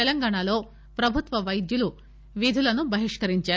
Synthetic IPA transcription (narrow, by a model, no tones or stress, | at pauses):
ɛlɐŋɡaːɳalo̞ː | pɾɐbʱut̪ʋɐʋɐjd̪julu | ʋid̪ʱulɐnubʱɐɦiʂkɐɾiɲt͡ʃaː